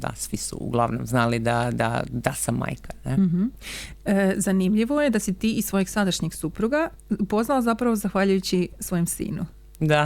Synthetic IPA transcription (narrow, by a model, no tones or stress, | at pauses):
d̪a̰sʋisṵṵɡlˠaʋnomznaːlid̪ad̪a̰d̪asama̰jkʰḁneɦm̩əzanimʎiʋo̞je̞d̪asit̪iːʔisʋo̞jeɡsad̪aʃɲeɡsupɾuɡa | po̞znaozapɾaʋozaxʋaʎujut͡ɕisʋo̞jemsḭːnu | d̪a